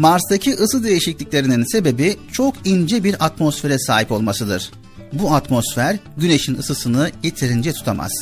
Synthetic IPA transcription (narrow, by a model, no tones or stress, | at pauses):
maɾsd̪acʰiʔɯsɯd̪e̞jiʃiclʲicʲlʲe̞ɾininse̞be̞bit͡ʃʰo̞kʰind͡ʒɛbiɾat̪mo̞sfe̞ɾɛsaːɦipo̞lˠmasɯd̪ɯ̰ɾ̥ | buat̪mo̞sfæɾɟyne̞ʃinɯsɯsɯnɯje̞t̪ʰiɾind͡ʒɛt̪ʰu̥t̪ʰamʔa̰z̥